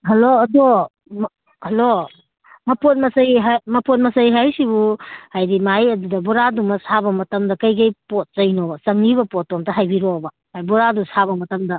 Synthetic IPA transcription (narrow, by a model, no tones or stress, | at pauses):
ɦɐloɐdo | m | hɐlo | mɐpot̚mɐsɐjɦamɐpot̚mɐsɐjɦajsibuhajɾimajɐdudɐbɔɾadumɐsabɐmɐtɐmdɐkɐjkɐjpot̚t͡ʃɐjnɔsɐŋniβɐpɔt̚tɔmtɐɦajbiɾɔbɐ | hajbɔɾadusaβɐmɐtɐmdɐ